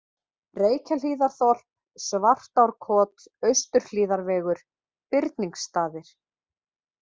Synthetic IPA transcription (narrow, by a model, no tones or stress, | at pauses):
reːjcʰaliːðaɾ̥θɔl̥p̚ | svar̥t̪awɾkʰɔːt̪ | œɥst̪ʏɾ̥l̥iːðaɾvɛːɣʏɾ̥ | pɪɾt̪niŋkst̪aːðɪɾ̥